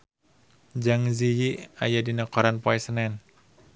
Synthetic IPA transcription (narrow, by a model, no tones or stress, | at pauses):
d͡ʒaŋzijia̰jadinakɔɾanpɔɛsənɛn